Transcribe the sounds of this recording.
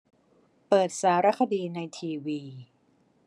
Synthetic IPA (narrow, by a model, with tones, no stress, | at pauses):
pɤː˨˩t̪̚saː˩˦ɾa˦˥kʰa˧diː˧na˧jt̪ʰiː˧wiː˧